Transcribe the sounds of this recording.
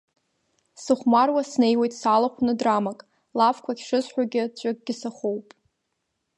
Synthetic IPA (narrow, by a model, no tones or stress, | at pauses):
sɨχʷmarwasne̞jwejtʼsalaχʷʰnɨdramakʼ | lavkʷʰaɡʲʂɨzħʷᶣaɡʲɪt͡ɕʷʼɪɡ̚ʼɡʲɪsaχowpʼ